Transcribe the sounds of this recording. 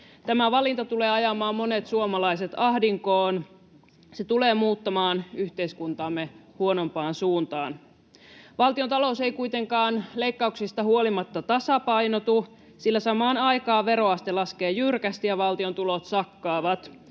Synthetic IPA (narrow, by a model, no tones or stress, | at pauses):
t̪æmæʋɑlint̪ɑt̪uleːɑjɑmɑːmːo̞net̪suomɑlɑiset̪ɑhdiŋkoːn | set̪uleːmuːt̪ːɑmɑːnyçt̪eiskunt̪ɑːmːehuono̞mpɑːnsuːnt̪ɑːn | ʋɑlt̪iont̪ɑlosejkuit̪e̞ŋkɑːnleikːɑuksist̪ɑhuolimɑt̪ːɑt̪ɑsɑpɑjnot̪u | silːæsɑmɑːnɑjkɑːʋe̞ɾo̞ɑst̪elɑskeːjyrkæst̪ijɑʋɑlt̪iont̪ulot̪sɑkːɑːʋɑt̪